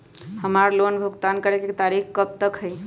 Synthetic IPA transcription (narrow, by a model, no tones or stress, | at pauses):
həmaɾlonbʱəɡt̪ankəɾekekt̪aɾikkəb̚t̪əkɦəj